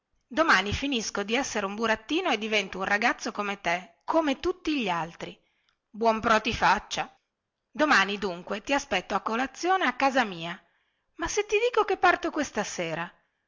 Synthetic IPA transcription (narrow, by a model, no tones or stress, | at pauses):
d̪omaːnifiniskod̪iɛsːeɾeumbuɾat̪ːiːnoed̪ːivɛnt̪ounraɡat̪sːokomet̪ekʰomet̪ut̪ːiʎalt̪ɾi | bwɔmpɾɔt̪ifat͡ʃːa | d̪omaːnid̪uŋkwet̪iaspɛt̪ːoakːolat̪sːjoːneakːaːzamiːa | maset̪ːid̪iːkokepːart̪okwest̪aseːɾa